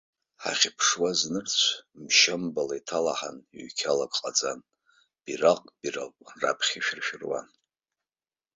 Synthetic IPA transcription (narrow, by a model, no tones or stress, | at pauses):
ħa̰χʲɪpʰʂwaznɨrt͡ɕʷʰmʃambalaitʰalaħa̰niɥkʲʰalaɡʼqʼad͡zan | b̥iraqʼb̥ira̰qʷʼra̰pʰχʲiʃᶣɪrʃᶣɪrwa̰n